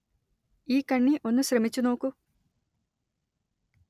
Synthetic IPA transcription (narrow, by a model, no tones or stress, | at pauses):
iːkɐɳːiʔo̞nːuɕɾɐmit͡ɕːuno̞ːkːu